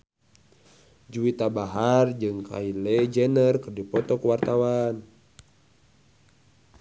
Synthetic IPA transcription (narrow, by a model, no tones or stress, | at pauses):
d͡ʒuit̪abaɦard͡ʒɨŋkʰa̰ilɛd͡ʒɛnərkɨrdipɔt̪ɔkuwart̪awan